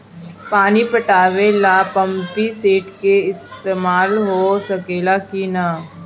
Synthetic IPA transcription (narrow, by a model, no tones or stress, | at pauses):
paːnipɐʈaːʋelapɐ̃mpiseːʈkeɪst̪eːmaːlɦosɐkeːlakina